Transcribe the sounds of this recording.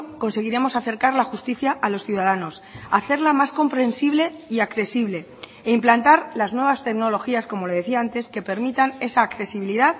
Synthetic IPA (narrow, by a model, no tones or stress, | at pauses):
ko̞nse̞ɣ̞iɾe̞mo̞saθe̞ɾkaɾlaxust̪iθjaʔːlo̞sθjuðaðano̞saθe̞ɾlamasko̞mpɾe̞nsiβ̞le̞iakθe̞siβ̞le̞ | eimplant̪aɾlaznwe̞βast̪e̞kno̞lo̞xiasko̞mo̞leð̞e̞θiaant̪e̞ske̞pe̞ɾmit̪ane̞saːkθe̞siβiliðað